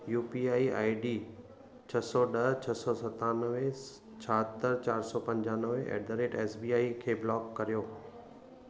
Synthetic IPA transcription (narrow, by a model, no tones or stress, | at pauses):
juːpiaːia̰ːiɖiː | t͡ɕʰɐsɔɗɐɦt͡ɕʰɐsɔsɐt̪ãnəʋẽ | t͡ɕʰaɦət̪əɾt͡ɕaːɾsɔpɐ̃ɲd͡ʑãːnəʋeɛ̰ːɖəɾeːʈɛːsbiːaːikʰeːblɔːkːɐɾijoː